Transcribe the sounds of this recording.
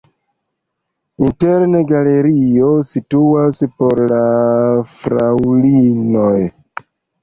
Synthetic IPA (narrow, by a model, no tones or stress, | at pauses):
inteɾneɡale̞ɾiosituaspo̞ɾlafɾawlinoj